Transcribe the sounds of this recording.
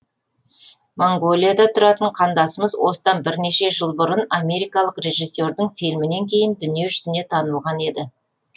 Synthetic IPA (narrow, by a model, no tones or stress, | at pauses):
moŋɡo̞lʲijad̪ɑt̪ʰʊɾɑt̪əɴqʰɑnd̪ɑsəməzwo̞səd̪ɑnbɪɾne̞ʃe̞ʒəlˠbʊɾənamʲe̞ɾijkɑlˠəqre̞ʒisːe̞ɾd̪ɪɴfilmɪne̞ŋkʲʰe̞jɪnd̪ʏnije̞ʒʏsɪne̞t̪ʰɑnəlˠʁɑne̞d̪ɪ